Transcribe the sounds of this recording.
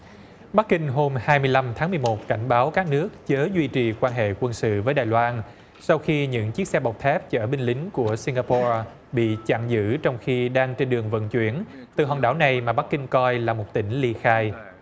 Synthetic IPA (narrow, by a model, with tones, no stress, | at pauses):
ɓa˦˥k̚ːï˧ŋ̟ɦo˧mhaː˧jmɨ˧əjla˧mt̪ʰaː˨˦mɨ˨˩əjmo˨˩t̚ka˧˩jŋ̟ɓaː˨˦wkaː˦˥k̚nɨ˦˥ək̚t͡ɕəː˨˦zwi˧t͡ɕi˨˩kwaː˧nɦḛ˧˨kwə˧nsɨ̰˧˨vəː˨˦jɗaː˨˩jlwaː˧n | sa˧wxi˧ɲɨ̰˧˥ŋt͡ɕi˦˥ək̚sɛ˧ɓa˨˩wk͡p̚t̪ʰɛ˦˥p̚t͡ɕəː˧˩ɓï˧ŋ̟lï˨˦ŋ̟ku˧˩əsi˧ŋɡaː˧pɔ˧ | ɓḭ˧˨t͡ɕa̰ː˧˨ŋzɨ̰˧˥t͡ɕɔ˧wŋ͡mxi˧ɗaː˧ŋt͡ɕe˧nɗɨ˨˩əŋvə̰˧˨nt͡ɕwi˧˩ən | t̪ɨ̰˨˩ɦɔ̰˨˩ɗaː˧˩wna˨˩jmaː˨˩ɓa˦˥kːï˧ŋ̟kɔ˧jlaː˨˩mo˨˩t̚t̪ï˧˩ŋ̟li˧xaː˧j